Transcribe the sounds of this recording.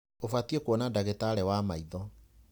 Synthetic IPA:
ofatiekwɔnadaɣetaɾɛwamaiðɔ

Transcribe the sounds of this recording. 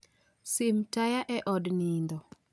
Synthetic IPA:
sɪmtajaʔɛʔɔdnind̪ɔ

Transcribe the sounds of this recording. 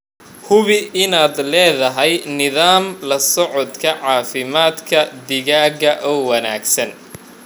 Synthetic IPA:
hʊβɪɪnaːd̪lɛːðɐɦɛjnɪðaːmlɐsɔʕɔd̪kʰɐʕɑːfɪmaːd̪kʰɐd̪ɪɣaːɡɐʔɔːwɐna̰ːɡsɐn

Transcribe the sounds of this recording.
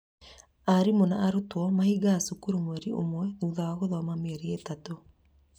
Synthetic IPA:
aɾimonaːɾutwɔmahiɡaːsukuɾumwɛɾio̰mwɛnuːðawaɣoðɔmameɛɾietato

